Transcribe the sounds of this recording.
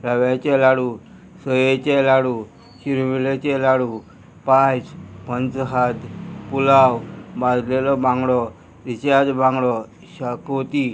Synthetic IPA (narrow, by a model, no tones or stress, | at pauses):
ɾaʋjat͡ɕelaɽu | səjet͡ɕelaɽu | ɕiɾmilet͡ɕɛlaɽu | pat͡spənt͡sɦad̪pulawbãd̪ʱlelɔbãŋɡɽɔ | ɾit͡ɕad̪bãŋɡɽɔ | ɕakot̪i